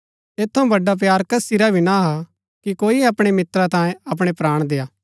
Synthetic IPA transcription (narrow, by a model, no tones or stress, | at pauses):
eːt̪ʰːɐũbɐɖap̬jaːɾkɐsiɾabʱinaɦa | kikoːiɐpɽ̃emɪt̪ɾat̪ãːjẽɐp̬ɽ̃epɾaːɽ̃d̪eːaː